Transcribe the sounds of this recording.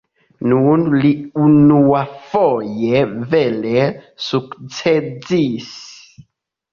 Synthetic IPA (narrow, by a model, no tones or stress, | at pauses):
nunliunuafɔjevelesukt͡sed͡zis